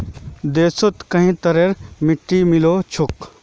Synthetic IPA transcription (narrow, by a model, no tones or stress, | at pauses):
d̪eːsot̪kɐɦĩt̪ɐɾeɾmɪʈːimɪloːt͡ʃʰʊk